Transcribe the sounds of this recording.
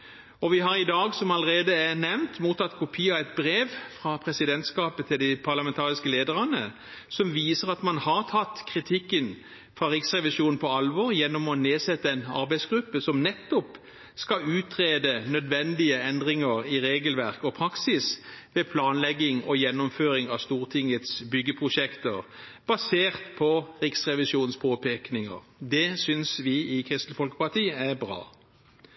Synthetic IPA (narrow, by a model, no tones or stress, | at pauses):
ɔʋɪɦɑɾɪd̪ɑːɡsɔmɑləʁeːd̪əɛnɛʋnt̪muːt̪ʰɑt̪kʰʊpʰiːɑɛt̪̚bɾeːʋfʁɑpʰʁɛsɪd̪ɛnt̪skɑːpət̪ʰɪld̪ɪpʰɑʁlɑmɛnt̪ʰɑːʁɪskəleːd̪əʁɑnə | sɔmʋiːsəʁɑt̪mɑnhɑʁt̪ʰɑt̪ːkʰʁɪt̪ʰɪkːən | fʁɑʁɪksʁɛʋɪʃuːnn̩pʰɔɑlʋɔːʁjɛnːɔmɔneːsɛt̪ːəɛnɑ̰ɾbæɪsɡɾʉpːəsɔmnɛt̪ːɔp | skɑʉːt̪ʁeːd̪ənœd̪ʋɛnd̪ɪəɛnd̪ʁɪŋəʁɪɾeːɡəlʋæʁkɔpʰɾɑksɪsʋepʰlɑːnlɛɡːɪŋɔjɛnːʊmføːɾɪŋɑst̪uːʁt̪ʰɪŋət̪sbʏɡːəpʰʁʊʃɛkt̪əʁ | b̥ɑseːʁt̪pʰɔʁɪksʁɛʋɪsuːn̩spʰoːpʰeːknɪŋə̰ʁd̪ɛsʏnsʋɪɪkʰʁɪst̪l̩fɔlkə̥pɑt̪ʰiːæbʁɑ̰ː